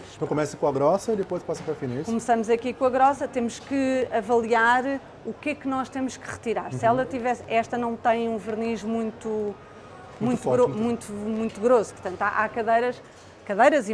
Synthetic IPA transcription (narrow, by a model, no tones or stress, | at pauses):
t̪ɐ̃w̃kumɛsɐkõɐɣɾɔsɐiðɨpojʃpasɐpɾɐfinikumsɐmuzɐkikõɐɣɾɔsɐt̪emuʃkɨɐvɐlˠiaɾ | ukɛkɨnɔʃt̪emuʃkɨʁɨt̪iɾaɾssɛlˠɐt̪ivɛsɛʃt̪ɐnɐ̃w̃t̪ɐ̃j̃ũvɨɾniʒmũj̃t̪u | mũj̃tt̪ɔɾomũj̃t̪umũj̃t̪uɣɾosu̥pɾt̪ɐ̃nt̪a̰ʔakɐðɐjɾɐʃ | kɐðɐjɾɐzi